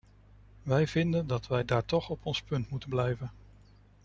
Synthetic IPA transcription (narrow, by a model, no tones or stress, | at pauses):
ʋɛjv̥ɪndəndɑtʋɛjdaːɹtɔχɔpɔnspɵntmutənblɛjvən